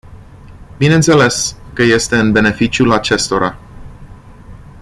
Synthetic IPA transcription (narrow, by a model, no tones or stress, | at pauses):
bine̞nt̪se̞le̞skəje̞st̪e̞ɨnbe̞ne̞fit͡ʃʲjulat͡ʃe̞st̪o̞ɾa̰